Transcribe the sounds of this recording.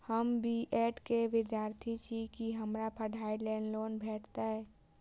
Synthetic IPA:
həmbʱiʔɛʈkeʋɪd̪jaɾt̪ʰit͡ʃʰikiɦəmɾapʰəɖʱaiɖlɛ̃nlonbʱɛːʈʰt̪aɦɛ

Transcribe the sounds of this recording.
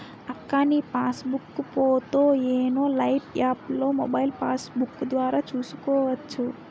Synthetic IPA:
akːanipasbukːpot̪ojenolaiʈjaplomo̰bailpasbukd̪ʋaɾat͡ʃuskoət̪ːt͡ʃʰu

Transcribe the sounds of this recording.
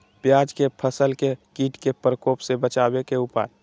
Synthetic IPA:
pjaːd͡ʒkepʰəsəlkekiːʈkepɾəkoːpsebət͡ʃaːbekeʊpa̰ːj

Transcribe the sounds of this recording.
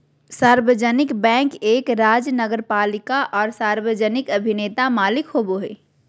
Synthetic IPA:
saːɾbəd͡ʒənɪkbɛ̃ːŋkeːkɾaːd͡ʒnəɡəɾpaːlɪkaʔɔːɾsaːɾbəd͡ʒənɪkɐbʱɪneːt̪amaːlɪkɦoːboɦɛ̰ː

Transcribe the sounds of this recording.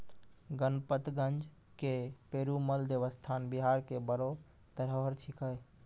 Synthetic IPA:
ɡənpət̪ɡənd͡ʒ | kepeːɾuməld̪eʋəst̪ʰanbiɦaɾkebəɾo | t̪əɾɦoɦɾt͡ʃʰikəj

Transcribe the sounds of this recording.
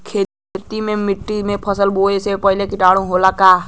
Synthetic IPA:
kʰeː | t̪imẽmɪʈːimẽpʰəsəlboːesepəɦɪlekɪʈaːɽ̃ũɦolaka

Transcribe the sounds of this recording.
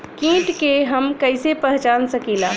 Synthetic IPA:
kĩːʈkeɦəmkəɪsepəɦt͡ʃaːnsəkilaː

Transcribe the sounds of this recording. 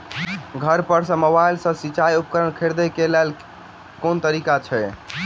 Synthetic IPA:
ɡʱəɾpəɾsə̃məbajlsə̃sit͡ʃajupkəɾənkʰeɾd̪ɛkelɛl | kont̪əɾikat͡ʃʰɛ

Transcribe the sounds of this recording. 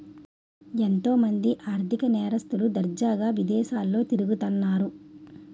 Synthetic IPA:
ent̪o̞ːmɐnd̪iʔaːɾt̪ʰikɐnɛːɾɐst̪ulud̪ɐɾd͡ʒaːɡaːʋid̪ɛːʃaːlːo̞ːt̪iɾuɡut̪ɐnːaːɾu

